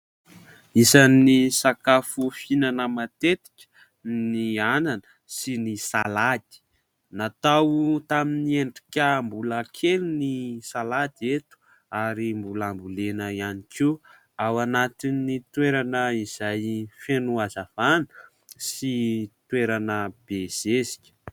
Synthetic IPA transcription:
isanisakafufinanəmat̪et̪i̥kʲə̥ | niananə̥ | sinisalad̪̥i̥ | nat̪awt̪aminieɳɖ͡ʐikʲəmbuləkʰelunisalad̪et̪u̥ | aɾimbulambulenəjanikʰi | awanat̪inːit̪weɾanəiz̥ajfenuazav̥anə̥ | sit̪weɾanəb̥ez̥ezi̥kʲə̥

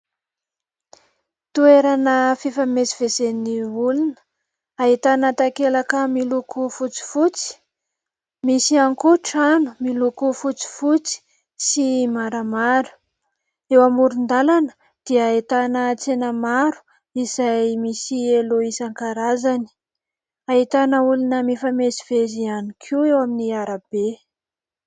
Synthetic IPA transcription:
t̪ueɾanəfifamesi̥vezenniulunə̥ | ait̪anat̪akelakəmilukufut͡si̥fut͡si̥ | misiaŋkuʈ͡ʂanu̥milukufut͡si̥fut͡si̥ | simaɾamaɾu̥ | ewamuɾund̪alanə̥ | d̪̥iəet̪anət͡senəmaɾu̥ | izajmisieloisaŋkaɾazani̥ | ait̪anəulunəmifamezivezianikʰuewaminiaɾab̥e

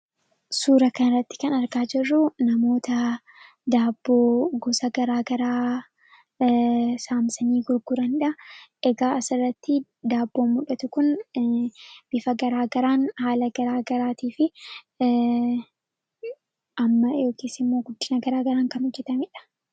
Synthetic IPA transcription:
suːɾɐkɐnɪrːɐt̪ːɪ̥kɐnɐɾɡaːd͡ʒɪrːʊnɐmo̞ːt̪ɐ | d̪aːbːoːɡɔsɐɡɐɾaːɡɐɾaː | saːmsɐniːɡʊɾɡʊɾɐnᶑɐʔɛɡaːɐsɪrːɐt̪ːɪ | d̪aːbːoːmʊᶑɐt̪ʊkʊn | b̥ɪfɐɡɐɾaːɡɐɾaːnhaːlɐɡɐɾaːɡɐɾaːt̪iːfɪ | ʔɐmːɐjo̞ːkeːsːɪmːo̞ːɡʊd̪ːɪnɐɡɐɾaːɡɐɾaːŋkɐnhɔd͡ʒːɛt̪ɐmɪᶑɐ̥

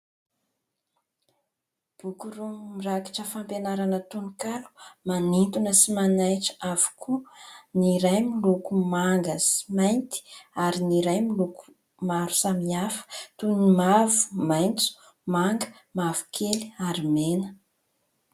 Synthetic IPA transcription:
b̥ukuɾumiraki̥ʈ͡ʂəfampenaɾanət̪unikalu̥manint̪unəsimanajʈ͡ʂə̥avu̥kʰuniɾajmilukumaŋɡəsi̥majnt̪i̥aɾiniɾajmiluku̥ | maɾu̥samiafə̥t̪unimavu̥majnt͡su̥ | maŋɡə | mavu̥kʰeliaɾimenə̥

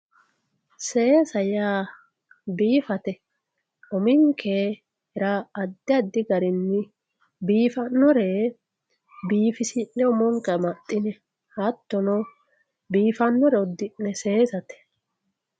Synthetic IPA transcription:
se̞ːsɐjaː | biːfɐt̪ɛ | ɔmɪŋkʰeː | hɛɾaɐd̪ːɪɐd̪ːɪɡɐɾɪnːɪ | biːfɐnːɔɾɛ | biːfɪsɪnːɛɔmɔŋkɐmɐt̪ʼːɪnɛ | hɐt̪ːɔnɔ | biːfɐnːɔɾɛɔd̪ːɪnːɛse̞ːsɐt̪ɛ̥

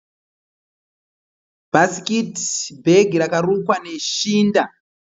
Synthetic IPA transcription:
basikitbʱeɡʱiɾakarukwane̞ʃiːnda

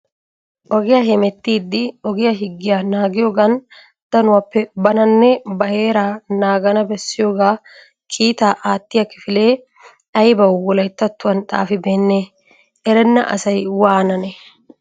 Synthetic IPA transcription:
ʔɔɡɪjaɦɛmɛt̪ːiːd̪ːɪɔɡɪjɐɦɪɡːɪjanaːɡɪjoːɡɐn | d̪̥ɐnʊwɐpːɛbɐnɐnːɛbɐhe̞ːɾaːnaːɡɐnɐbɛsːɪjoːɡaː | kʰiːt̪aːʔaːt̪ːɪjɐkɪfɪle̞ː | ɐjbɐwːɔlɐjt̪ːɐt̪ːʊwɐnt̪ʼa̰ːfɪbeːnːeː | ɛɾɛnːɐ̰ʔɐ̰sɐjwaːnɐnɛ

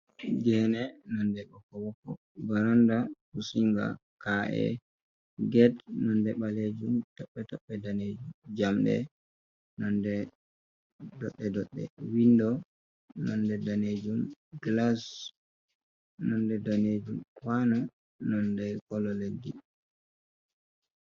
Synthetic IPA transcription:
d͡ʒɛhnɛnɔndɛbɔkɔwɔkːɔ | baɾɔndakusiŋɡa̰kaʔɛ̰ | ɡɛdnɔndɛɓaled͡ʒumtɔɓːɛtɔɓːɛdaned͡ʒumd͡ʒamɗɛ̰ | nɔndɛ | dɔɗːɛdɔɗːɛ̰windɔ | nɔndɛdaned͡ʒumɡlas | nɔndɛdaned͡ʒumkwana | nɔndɛkɔlɔledi

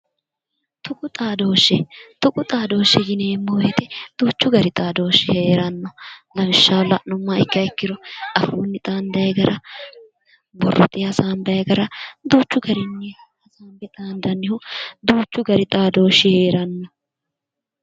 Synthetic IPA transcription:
t̪ʊkʼʊt̪ʼaːd̪oːʃːɛt̪ʊkʼʊt̪ʼaːd̪o̞ːʃːɛɡɪneːmːoːjɛt̪ɛd̪̥uːt͡ʃːʊɡɐɾɪt̪ʼaːd̪oːʃɪheːɾɐnːɔlɐmɪʃːalɐʔnɔmːɐɪkːɐɪkːɪd̪ɔʔɐfuːnːɪt̪ʼaːnd̪ɐjɡɐɾɐ | bɔrːɔ̰t̪ɪɐsaːmbɛɡɐɾɐd̪uːt͡ʃːʊɡɐɾɪnːɪ | hɐsaːmbɛt̪ʼaːnd̪ɐnːɪhʊd̪uːt͡ʃːʊɡɐɾɪt̪ʼaːd̪o̞ːʃɪhe̞ːɾɐnːɔ

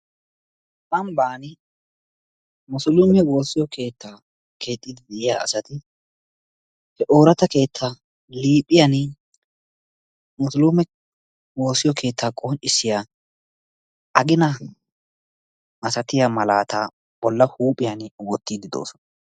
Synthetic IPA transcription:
kʼɐmbaːnɪ | mʊsʊlʊmɛwo̞ːsɪjɔkʰe̞ːt̪ːaː | kʰe̞ːt̪ʼːɪd̪ɪd̪ɛʔɪjaːɐ̰sɐt̪ɪ | hɛʔo̞ːɾɐt̪ɐke̞ːt̪ʰːaː | liːpʼːɪjɐn | mʊslʊmɛ | wo̞ːsːɪjɔkʰe̞ːt̪ːaːkʼɔnt͡ʃːɪsːɪjaː | ʔɐɡɪnɐ | ʔɐsɐt̪ɪjamɐlaːt̪a | b̥ɔlːɐhuːpʼɪjɐnwɔt̪ːiːd̪ɪd̪o̰ːsɔnɐ

